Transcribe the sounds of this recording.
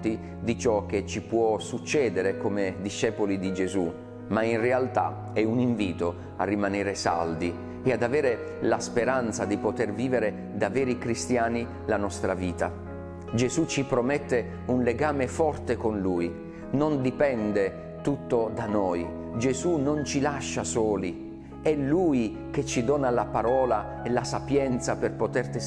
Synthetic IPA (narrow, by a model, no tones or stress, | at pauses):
t̪i | d̪it͡ʃɔk̟ːet͡ʃːipwɔsut͡ʃːɛːd̪eɾekomed̪iʃːɛːpolid̪id͡ʒezu | mainrealt̪a̰ | ɛuniɱviːt̪o | a̰rːimaneːɾesa̰ld̪i | ead̪avɛːɾe | laspeɾant̪sad̪ipot̪erviːveɾe | d̪avɛːɾikɾist̪jaːni | lanɔst̪ɾaviːt̪a | d͡ʒezut͡ʃːipɾomɛt̪ːe | unleɡaːmefɔrt̪ekonluj | nond̪ipɛnd̪e | t̪ut̪ːod̪anɔj | d͡ʒezunont͡ʃilaʃːasɔːli | ɛlːuj | k̟et͡ʃːid̪ɔːnalapaɾɔːla | elasapjɛnt̪saperpot̪ert̪e